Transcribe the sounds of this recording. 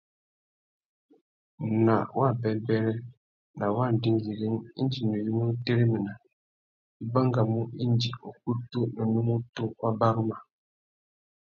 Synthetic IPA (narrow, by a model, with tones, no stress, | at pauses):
na˨wʔa˦˨bɛ˨bɛ˦ɾɛ˦ | na˨wa˦n˨dɪ˦n˦li˨ɡi˦ni˦n˦d͡ʒi˨nu˨ji˦no˦te˦ɾi˦mi˨na˨ | i˦ba˦ŋ˦ɡa˨mu˦i˦n˦d͡ʒi˨o˨ku˦tu˦no˨nu˦mo˦tu˦wa˦ba˦ɾɨ˦ma˨